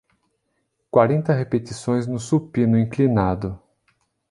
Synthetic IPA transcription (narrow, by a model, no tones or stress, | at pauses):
kwaɾẽnt̪ɐɦepet̪isõj̃znʊsupĩnʊĩklinad̪ʊ